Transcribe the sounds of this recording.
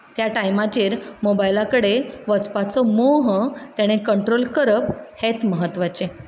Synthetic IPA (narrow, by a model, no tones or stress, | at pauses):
t̪jaʈajmat͡ɕiːɾmobajlakəɽeʋət͡spat͡sɔmoɦt̪jaɽ̃ekəɳʈɾolkəɾəphet͡sməɦət̪ːʋat͡ɕe